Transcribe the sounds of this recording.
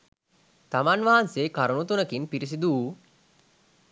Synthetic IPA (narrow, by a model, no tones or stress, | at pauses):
t̪amanʋaɦanseːkaɾunut̪unəkinpiɾis̬id̪uː